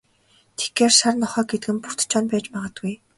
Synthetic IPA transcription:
t̪ʰe̥ɡɡeːrsarnɔχœːɡet̪ɘ̆ɡɘ̆mpur̥t̪t͡ɕʰɔːnpæːt͡ɕpaːʁə̆ːt̪ɡuj

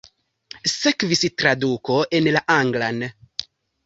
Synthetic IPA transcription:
se̞kvistɾaduko̞ʔe̞nlaʔaŋɡlan

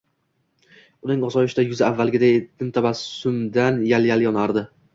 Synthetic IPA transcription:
ʊnɪŋɒsɒɪʃɪd̪ajʊzaavːalɡʲɪd̪ajd̪ʰɪmt̪ʰabassʊmd̪anjaljaljɒnaɾd̪ɪ

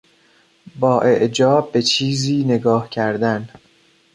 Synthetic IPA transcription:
bɒːʔe̞ʔd͡ʒɒːb̚ːe̞t͡ʃʰiːziːne̞ɡɒːhcʰæɾd̪æn

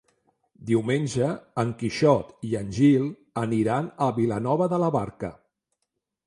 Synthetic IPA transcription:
d̪iwmenʲʒəːŋkiʃɔt̪iənʲʒilˠ | əniɾanəβilənɔβəðələβaɾkə̰

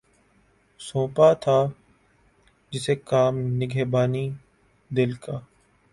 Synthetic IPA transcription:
sõːpaːt̪ʰaː | d͡ʒɪseːkaːmnɪɡʱeːbaːniː | d̪ɪlkʰaː

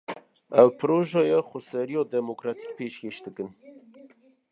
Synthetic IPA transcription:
ɛwpʰɨɾoːʒɑːjɛxʷʊsɛɾijɑːd̪ɛmokɾɑt̪ʰi̥k̚pʰeːʃkʲeːʃd̪ɨkɨn

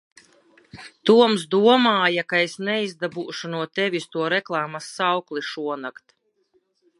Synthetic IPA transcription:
t̪uɔmsd̪uɔmaːjakaesnɛizd̪abuːʃunuɔt̪ɛvʲist̪uɔɾɛklˠaːmasːawklˠiʃuɔnakt̪

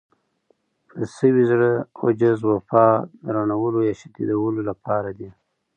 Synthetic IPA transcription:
pʰəsəwizɽəa̰d͡ʒazwafɑd̪əɾanawəlojɑʃat̪id̪awəlolapɑɾad̪i

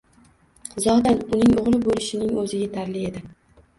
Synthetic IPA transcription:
zɒd̪anʊnɪŋʊʁlˠɪbolɪʃɪnɪŋɵzɪɡʲat̪ʰaɾlɪe̞d̪ɪ

